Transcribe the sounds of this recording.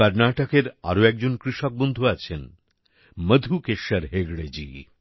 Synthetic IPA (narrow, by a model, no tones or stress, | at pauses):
aɾnaʈakeɾa̰ɾoɛk̚d͡ʑonkɾiʃok̚bond̪ʱuat͡ɕʰen | məd̪ʱukeʃːaɾɦeɡɽed͡ʑḭ